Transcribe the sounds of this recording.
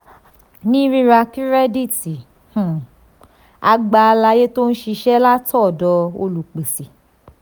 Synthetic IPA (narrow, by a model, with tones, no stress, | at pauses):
nĩ˦ɾi˦ɾa˧ki˦ɾɛ˦di˦˨ti˨ | h̩˨ | a˧ɡ͡ba˧la˧je˦to˦n̩˦ʃi˧ʃɛ˦la˦tʰɔ˦˨dɔ˧o˧lu˨k͡pe˨si˨